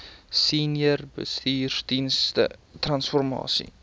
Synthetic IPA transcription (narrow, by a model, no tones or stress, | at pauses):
siːnjərbə̰st̪iːrd̪inst̪ə̰t̪rɐnsfɔrmɑ̰ːsḭ